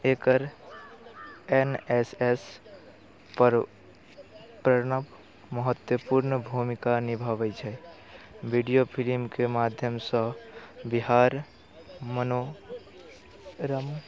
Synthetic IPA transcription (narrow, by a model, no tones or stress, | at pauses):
ekəɾ | eneses | pəɾ | pɾəɾnəb | məɦət̪jəpuɾnəbʱumikanibʱəbɛt͡ʃʰɛj | bʱiɖijopʰilimkemad̪ʱjəmsə̃biɦaɾ | məno | ɾəm